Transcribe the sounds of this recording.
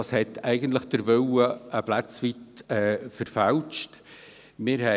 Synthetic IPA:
ɑshɛtʰæɪɡəntləχd̥əɾʋœwəəplæt͡sʋitɛːfəɾfælt͡ʃt | mɪɾhɛ

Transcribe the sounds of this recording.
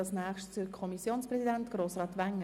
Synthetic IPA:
lsnæːχʃtt͡sʊkʰɔmisjoːnspɾɛsidæntɡ̥ɾoːsɾɑːt̪ʋæŋːə

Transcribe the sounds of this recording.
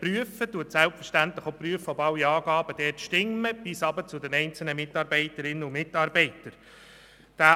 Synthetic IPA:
ryəfətuətsælpfə̥ʃtæntləχopryəfobɑwiɑːɡ̥ɑːbəd̥ɛːtʃtɪmːəb̥ɪsɑbət͡sʊdɛnɛɪnt͡sl̩nəmɪtɑːɾbɛɪtəɾɪnːəʊmɪtːɑːɾbɛɪtəɾ | d̥æː

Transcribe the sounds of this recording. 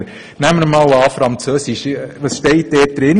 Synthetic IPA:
næmːəɾmɑːlɑːfɾɑnt͡søːsɪʃʋɑsʃtɛɪt̚dɛːt̚d̥ɾɪn

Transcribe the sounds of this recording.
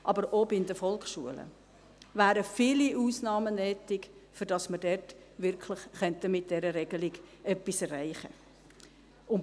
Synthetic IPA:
ʔɑbəɾobɪndəfɔlkʃuələ̰ | væːɾəfiːliʔuːsnɑːmənɛːtɪkfʏɾd̥ɑsmədɛrt | ʋɪɾkʰlɪχχœntəmɪt̚d̥ɛɾəɾɛɡəlɪɡ̥ʔœpːisɛræɪχə | ʊn

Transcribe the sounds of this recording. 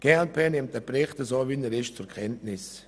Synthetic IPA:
ɡ̥ɛlpʰɛnɪmt̚ɛpɾɪχtəsoːvinɛɾɪʃt͡sʊɾkʰɛntnɪs

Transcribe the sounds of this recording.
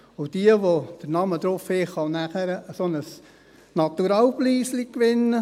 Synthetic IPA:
ʊd̥iəʋod̪̥əɾnɑməd̪ɾofɪχɑnæχæɾəəsonəs | nɑt̪uɾɑːwbliːslikʋɪnə

